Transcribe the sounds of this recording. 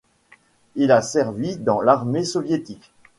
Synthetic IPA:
ilasɛʁvid̪ɑ̃laʁmesɔvjet̪ik

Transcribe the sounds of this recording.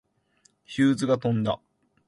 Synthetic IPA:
çɨːzɨɡat̪õ̞nd̪a̰

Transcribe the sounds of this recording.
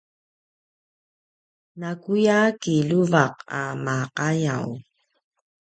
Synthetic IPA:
nakujakiluvaqa̰maqajaw

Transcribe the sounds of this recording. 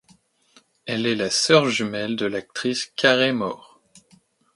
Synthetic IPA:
ɛlɛlasœʁʒymɛld̪əlak̚t̪χiskʲʰaʁemɔʁ

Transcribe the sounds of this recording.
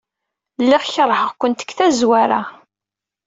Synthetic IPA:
lːiʁçəɾˤːħəʁkʷənt̪ə̥ɡθæzwaɾa̰

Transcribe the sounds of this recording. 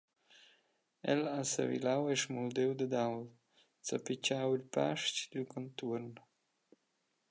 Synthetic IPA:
ɛ̰lasə̰vḭlawɛʃmuld̪ewd̪əd̪awl | t͡sapit͡ʃawilpa̰ʃcd̪ilkʰɔnt̪uɾn

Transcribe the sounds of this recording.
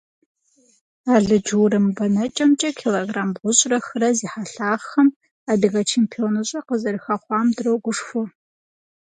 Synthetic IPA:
aːɮɨd͡ʒɨwɾɨmbɐnɐt͡ʃʼɐmt͡ʃʼɐkʰiloɡraːmbʁʷʊɕʼrɐxɨɾɐziːħaɬaːʁxɐm | aːbiɣɐt͡ʃʰeːmpʰionɨɕʼɐqəzɐrɨxɐχʷɑːmdɨrɐwɡʷʊʂfʊ

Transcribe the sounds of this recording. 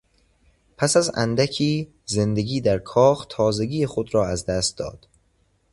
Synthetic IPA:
pʰæsæzæ̰nd̪æcʰiː | ze̞nd̪eɡiːd̪æɾkʰɒːxt̪ʰɒːzeɟiːexod̪ɾɒːæzd̪æst̪̚d̪ɒ̰ːd̪̥

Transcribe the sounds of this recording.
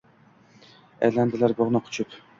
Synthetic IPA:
ɛ̰jland̪ɪlaɾboʁnɨqʰʊ̥t͡ʃʰʊp

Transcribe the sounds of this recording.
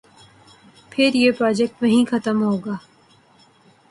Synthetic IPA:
pʰɪɾjeːpɾɔːd͡ʒɛk̚ʈʋɐɦĩxɐt̪əmɦoːɡaː

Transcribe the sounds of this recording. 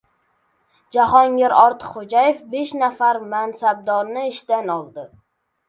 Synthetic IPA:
d͡ʒaɦɒŋɡʲɪɾɒɾt̪ʰɨ̥qχod͡ʒajefbeʃnafaɾmansab̚d̪ɒɾnɪːʃd̪anɒlˠd̪ɪ

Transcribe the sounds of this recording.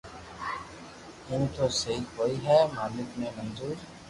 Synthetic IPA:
ɪnt̪osɐɦikoːiɦɛːmaːlɪkmẽmɐ̃nzuːɾ

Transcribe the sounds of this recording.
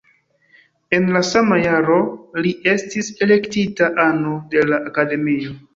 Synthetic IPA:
e̞nlasamajaɾo̞liʔe̞stise̞le̞ktitaʔanode̞laʔːkade̞mio̞

